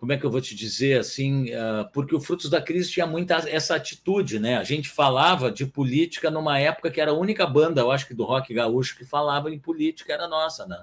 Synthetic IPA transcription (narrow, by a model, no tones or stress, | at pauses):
kõmʊɛkɪewvot͡ʃɪd͡ʒizeɾasĩɛpʊɾkɪʊfɾut̪ʊzd̪ɐkɾizɪt͡ʃĩɲɐ̃mũj̃t̪ɐɛsɐat͡ʃi̥t̪ud͡ʒɪnɛaʒẽnt͡ʃɪ̥falavɐd͡ʒɪpʊlit͡ʃi̥kɐnũmɐɛpʊ̥kɐkɪɛɾɐaũnikɐbɐ̃nd̪ɐewaʃʊ̥kɪd̪ʊhɔkɪɡauʃʊ̥kɪfalavɐẽj̃polit͡ʃi̥kɐɛɾɐnɔsɐnɛ̃